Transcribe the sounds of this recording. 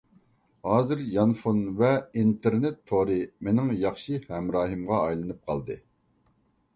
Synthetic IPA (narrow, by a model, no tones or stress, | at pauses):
hɑːzɨɾjɑnfunvɛint̪eɾnɪt̪ʰːoɾɨmenɪŋjɑχʃihɛmɾɑːɦɨmʁɑːjlˠɨnɨp̚qʰɑ̰lˠd̪ɨ̰